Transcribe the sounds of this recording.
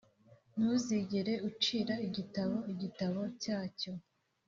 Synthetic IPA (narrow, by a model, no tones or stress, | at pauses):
nuziɟeɾe̞ut͡ʃiːɾaiɟitaβo̞iɟitaβo̞caːco̞